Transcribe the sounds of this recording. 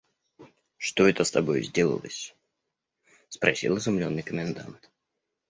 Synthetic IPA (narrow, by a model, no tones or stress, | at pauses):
ʂt̪oɛt̪əst̪ɐbo̞jzʲdʲe̞lˠə̰lˠə̰sʲ | spɾɐsʲḭlˠɪzʊmlʲonːɨjkəmʲɪnd̪a̰nt̪